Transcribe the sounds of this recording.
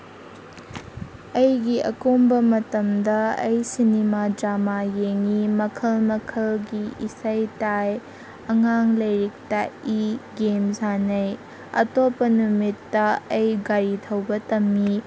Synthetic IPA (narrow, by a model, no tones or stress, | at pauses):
ɐjɡiʔɐkombɐmɐtɐmdɐɐjsinimad͡ʒamajeŋimɐkʰɐlmɐkʰɐlɡiisɐjtaj | ɐŋaŋlɐjɾik̚tɐiɡemzanɐj | ɐ̰topːɐnumitːɐɐjɡaɾitʰɐwbɐtɐmːi